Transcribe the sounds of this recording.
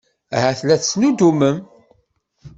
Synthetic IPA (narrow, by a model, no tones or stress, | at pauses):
ɦæθlæθt͡sːnud̪uməm